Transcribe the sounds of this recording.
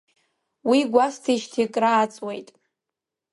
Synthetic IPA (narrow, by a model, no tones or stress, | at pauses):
wiɡʷastʰiʃtʰikʼraːt͡sʼwejtʼ